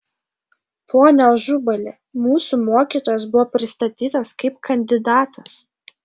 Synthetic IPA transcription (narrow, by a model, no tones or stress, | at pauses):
pʰoːnʲɛlˠʒʊbɐlʲe | muːsumoːkʲiːˑt̪oːjɛs̬bʊʋɔːpʲɾʲɪst̪ɐt̪ʲiːt̪ɐskɐɪp̚kʰɐnʲd̪ʲɪd̪ɑːt̪ʰɐs